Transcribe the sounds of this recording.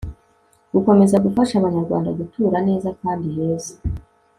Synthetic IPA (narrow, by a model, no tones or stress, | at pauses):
ɡ̥uko̞me̞zaɡufaʃaβaɲaɾɡwa̰ːndaɡutʰuːɾane̞ːzakaːndihe̞ːze̥